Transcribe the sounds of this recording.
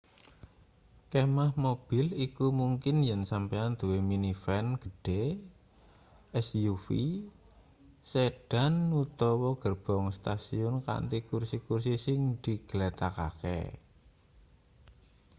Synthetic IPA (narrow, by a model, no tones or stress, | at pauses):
kemahmob̥ɪlikumuŋkɪnjɛnsampeand̪̥uweminifɛnɡ̥əɖ̥e | ɛsjufi | seɖ̥a̤nːut̪ɔwɔɡ̥ərb̥ɔ̤ŋst̪asiʊnka̰nt̪ikursikursisɪŋd̪̥i̤ɡ̥əlet̪aka̰kɛ̰